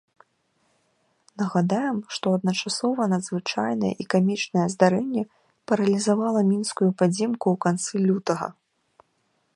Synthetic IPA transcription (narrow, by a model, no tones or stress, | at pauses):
nɐɣad̪ajɛmʂt̪ɔɐd̪̚nɐt͡ʂasɔvɐnɐd̪zvɨt͡ʂajnɐjɛ̰ʔikamʲit͡ʂnɐjɛzd̪aɾɛnʲːɛ | pɐɾɐlʲizavalˠɐmʲinskujupad͡zʲɛmkuwkant̪sɨlʲut̪ɐɣɐ̰